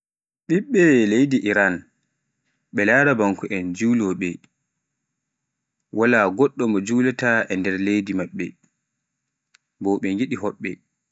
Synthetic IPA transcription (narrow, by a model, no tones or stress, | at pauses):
ɗiɓːɛlejdiʔiɾan | ɓɛlaːɾabaŋkuʔɛnd͡ʒuwlɔɓɛ | walaɡɔɗːɔmɔd͡ʒuːlataʔɛndɛɾlejdimaɓːɛ̰ | bɔɓɛŋɡiɗiɦɔɓːɛ